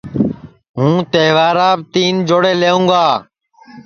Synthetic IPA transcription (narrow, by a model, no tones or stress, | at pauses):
ɦũːt̪eːʋaːɾaːbt̪iːnd͡ʒoːɽeːleːũːɡaː